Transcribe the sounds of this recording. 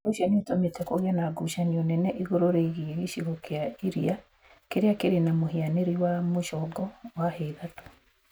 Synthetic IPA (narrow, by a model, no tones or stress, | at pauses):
oʃanetometɛkoɣanaɡuʃanionɛnɛʔiɣoɾoɾeɣiɣeʃiɣokeaiɾia | keɾeakeɾenamoɦeaneɾiwamoʃɔɡɔwaheðato̥